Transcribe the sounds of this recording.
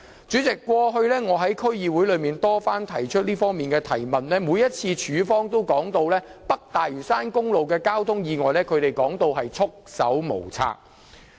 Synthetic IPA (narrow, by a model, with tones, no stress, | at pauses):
t͡syː˨˥t͡sɪ˨kːʷɔː˧ɦɵ˧ɥlɛː˥ŋɔː˨˧ɦɐ˨˥jkʰɵ˥ɥjiː˧wu˨˥jlɵ˨˧ɥmiː˨nt̪ɔː˥faː˥nt̪ʰɐ˨˩jt͡ʃʰɵ˥t̚liː˥fɔː˥ŋmiː˨˩nkɛː˧t̪ʰɐ̰˨˩jmɐ˨nlɛː˥muː˨˧jɐ˥t̚t͡sʰiː˧t͡ʃʰyː˨˧fɔː˥ŋt̪o˥wkɔː˨˥ŋt̪o˧wlɛː˥pɐ˥k̚t̪aː˨jyː˨˩saː˥nkʊ˥ŋlo˨wkɛː˧kaː˥wt̪ʰʊ˥ŋjiː˨˧ŋɔː˨jlɛː˥kʰɵ˨˧ɥɾe˨˩jkɔː˨˥ŋt̪o˧wɦɐ˨jt͡sʰʊ˥k̚sɐ̰˨˥wmo̰˨˩wt͡sʰa̰ː˧˥k̚